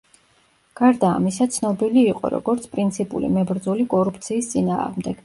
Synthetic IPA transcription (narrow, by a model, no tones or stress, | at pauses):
ɡ̥aɾd̪a̰ːmisat̪sʰnɔbiliːqʼɔ̰ɾɔ̰ɡɔɾt̪sʰpʼɾint̪sʰipʼṵlḭmɛbɾd̪zɔlikʼɔɾup̚ʰt̪sʰiːst̪sʼina̰ːʁmd̪ɛɡ̥